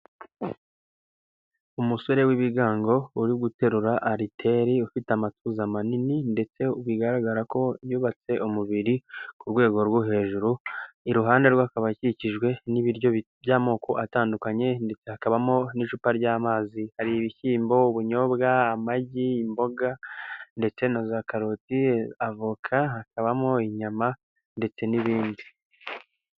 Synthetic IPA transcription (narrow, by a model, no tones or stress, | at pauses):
umuso̞ɾe̞wiβiɡaːŋɡo̞uɾiɡute̞ɾuɾaʔaɾitʰe̞ɾiufitamatuzamanininde̞t͡se̞uβwiɡaɾaɡaɾako̞βjuːβat͡se̞ʔumuβiɾikuɾwe̞ːɡo̞ɾɡoɦe̞ːʒuɾuiɾuɦaːnde̞ɾɡwakaβaciciʒɡwe̞niβiɾjo | bjaːmo̞ːkʰo̞ʔataːndukaɲe̞nde̞t͡se̞hakaβamo̞niʃupaɾɟaːmaːzihaɾiːβiçiːmbo̞uβuɲo̞bɡaamaɟiːmbo̞ɡande̞t͡se̞nozakaɾotiavukʰaɦakaβamoiɲama | nde̞t͡se̞niβiːndi